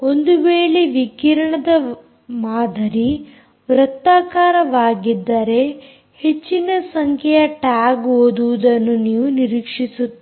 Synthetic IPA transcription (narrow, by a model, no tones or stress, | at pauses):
o̞nd̪uʋeːɭeʋikiɾɐɳɐd̪ɐ | maːd̪ʱɐɾi | ʋɾɐt̪ːaːkaːɾɐʋaːɡid̪ːɐɾe̞ | he̞t͡ʃːinɐsɐŋkʰjɛjɐʈaːɡɦoːd̪uʋud̪ɐnːuniːʋuniɾiːkʂisut̪ː